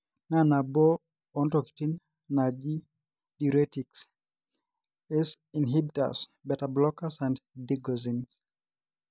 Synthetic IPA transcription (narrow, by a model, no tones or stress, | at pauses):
nanabɔ | ɔntɔki̥tin | nad͡ʒi | diɾɛtiks | ɛs | inɦibita̰sbɛtablɔkasãnddiɡɔzĩns